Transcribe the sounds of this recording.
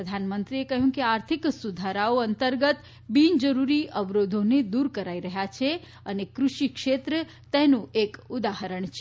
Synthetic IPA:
əd̪ʱanmənt̪ɾiekəɦjũkeaɾt̪ʰiksud̪ʱaɾaoənt̪əɾɡət̪ | bind͡ʒəɾuɾiʔəʋɾod̪ʱoned̪uɾkəɾaiɾəɦjat͡ʃʰe | ənekɾuʃikʃet̪ɾə | t̪ɛnũekud̪aɦəɾəɳt͡ʃʰ

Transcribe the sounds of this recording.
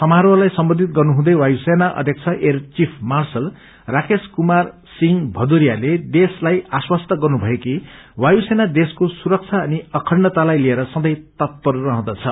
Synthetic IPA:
sʌmaɾwʌlajsʌmbʌnd̪ʱit̪̚ɡʌrnuɦũd̪ʌjwajusenaʔʌ̰d̪ʱjʌk̚t͡sʰʌʔert͡sipʰmarsʌl | rakeskumar | siŋbʱʌd̪uɾjaled̪eslajaswʌst̪ʌɡʌrnubʱʌeki | wajusenad̪eskosuɾʌk̚t͡sʰaʌniʌkʰʌnːʌt̪alajlieɾʌsʌ̃nd̪ʌjt̪ʌt̪̚pʌrːʌɦʌ̃d̪ʌt͡sʰʌ

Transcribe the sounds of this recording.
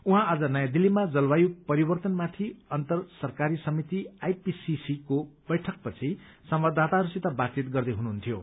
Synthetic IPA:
uɦãːd͡zʌnʌjãd̪ilːimad͡zʌlbajupʌɾibʌrt̪ʌnmat̪ʰiʌnt̪ʌrsʌrkaɾisʌmit̪iajpisisikobʌjʈʰʌk̚pʌt͡sʰi | sʌmbad̪ʱːat̪aɾusit̪abat͡sit̪ɡʌrd̪eɦunuɦunt̪ʰjo

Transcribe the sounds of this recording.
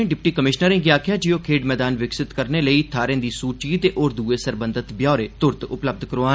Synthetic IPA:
ẽːɖɪpʈiːkəmɪʃnəɾẽːɡjaːkʰɪjãːd͡ʒijoːkʰeːɖmɛːd̪aːnʋɪksɪt̪kəɾneːləiːt̪ʰaːɾẽːd̪iːsuːt͡ʃiːt̪eːʔoːɾd̪uːeːsəɾbə̃nd̪ət̪bjaːɾeːt̪ʊɾd̪ʊpləb̚d̪kəɾoːaː

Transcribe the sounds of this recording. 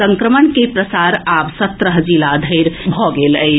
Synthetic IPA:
səŋkɾəmənkepɾəsaɾabsət̪ɾəɦd͡ʒilad̪ʱəɾbʱɔɡeləj

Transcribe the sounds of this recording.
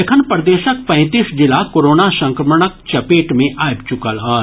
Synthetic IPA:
ekʰənpɾəd̪eːʃək̚pɛ̃ːt̪iːsd͡ʒɪlakoːɾoːnasɐ̃ŋkɾəməɽək̚t͡ʃɐpeːʈmẽʔaːjbt͡ʃʊkəlaː

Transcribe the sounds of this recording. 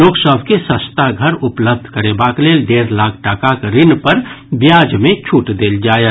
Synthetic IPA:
loːksəbʱkesə̃st̪aɡʱəɾʊpləb̚d̪ʱkəɾebakleːlɖeːɾlaːkʰʈakakɾɪnpəɾbjaːd͡ʒmẽt͡ʃʰuːʈd̪eːld͡ʒaːe

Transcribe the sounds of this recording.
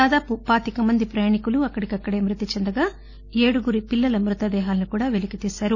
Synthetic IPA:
aːd̪aːpupaːt̪ikɐmɐnd̪ipɾɐjaːɳikuluɐkːɐɽikɐkːɐɽe̞ːmɾit̪it͡ʃɛnd̪ɐɡaː | eːɽuɡuɾipilːɐlɐmɾut̪ɐd̪ɛːɦaːlɐnikuːɽaːʋelikit̪iːsaːɾu

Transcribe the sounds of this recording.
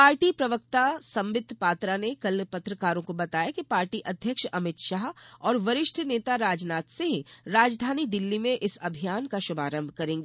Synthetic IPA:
paːɾʈipɾɐʋək̚t̪asɐ̃mʋɪd̪ʱpaːt̪ɾanekɐlpɐt̪ɾəkaːɾõkobɐt̪aːjakipaːɾʈiʔɐd̪ʱjəkʃɐmɪt̪ʃaːɦɔːɾʋɐɾɪʃʈʰneːt̪aɾaːd͡ʒnaːt̪seɦĩɾaːd͡ʒd̪ʱaːnid̪ɪlːimẽʔɪsɐbʱijaːnkaʃʊbʱaːɾə̃mbʱkɐɾẽːŋɡeː

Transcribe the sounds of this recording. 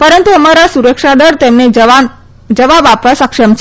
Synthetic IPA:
pəɾənt̪uəmaɾasuɾəkʂad̪əɾt̪emneʋan | d͡ʒəʋabapəsəkʂəmt͡ʃʰ

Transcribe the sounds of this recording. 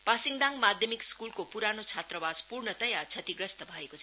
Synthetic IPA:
pasiŋd̪ãŋmad̪ʱjʌmikskulkopuɾanot͡sʰat̪rʌbaspurnʌt̪ʌjat͡sʰʌt̪iɡɾʌst̪ʌbʱʌekot͡sʰʌ

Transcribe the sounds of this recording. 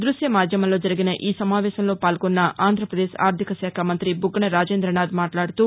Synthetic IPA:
d̪ɾuʃjɐmaːd̪ʱjɐmɐlo̞ːd͡ʒɐɾiɡinɐʔiːsɐmaːʋɛːʃɐmlo̞ːpaːlɡɔnːɐʔaːnd̪ʱɾɐpɾɐd̪eːʃa̰ːɾd̪ʱikɐsɛːkʰɐmɐnt̪ɾibuɡːɐɳɐɾaːd͡ʒeːnd̪ɾɐɳaːd̪maːʈlaːɽut̪uː

